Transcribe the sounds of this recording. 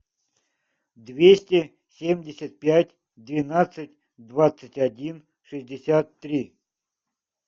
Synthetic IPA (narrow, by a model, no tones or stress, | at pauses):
d̪vʲesʲtʲɪ | sʲemʲdʲɪsʲət̪̚pʲætʲ | d̪vʲɪnat̪sɨtʲ | d̪vat̪sɨtʲadʲin | ʂɨzʲdʲɪsʲat̪ːɾʲi